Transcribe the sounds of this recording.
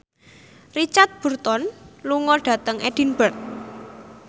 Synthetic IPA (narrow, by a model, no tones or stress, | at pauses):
rit͡ʃat̪̚b̥ṳrt̪ɔnluŋɔɖ̥ä̤t̪əŋʔeɖ̥i̤nb̥ərt̪̚